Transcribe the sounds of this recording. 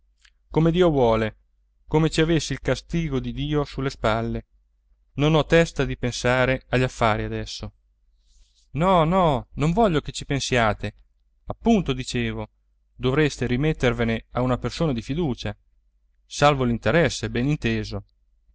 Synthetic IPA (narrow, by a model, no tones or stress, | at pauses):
komed̪iːovwɔːle | komet͡ʃiavesːilkast̪iːɡod̪id̪iːosulːespalːe | nonɔt̪ːɛst̪ad̪ipensaːɾeaʎːafːaːɾiad̪ɛsːo | nɔnɔnoɱvɔʎːoket͡ʃipensjaːt̪e | apːunt̪od̪it͡ʃeːvo | d̪ovɾest̪eɾimet̪ːerveneaunapersoːnad̪ifid̪uːt͡ʃa | salvolint̪eɾɛsːebɛnint̪eːzo